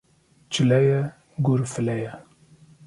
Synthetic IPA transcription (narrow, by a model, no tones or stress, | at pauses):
t͡ʃʰɪlɛjɛ | ɡuɾfɨlɛjɛ